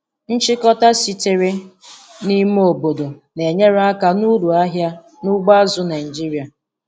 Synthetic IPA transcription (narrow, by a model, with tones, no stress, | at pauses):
n̩˦t͡ʃi˦kɔ˦ta˦si˨te˦ɾe˦ | ni˦m˦o˨bo˨do˨ne˨ɲe˦ɾa˦ka˦nu˦ɾu˨a˦ɦja˦ | nʊ˦ɡ͡ba˦zʊ˦na˨ɪ˨d͡ʒi˦ɾi˨˦a˨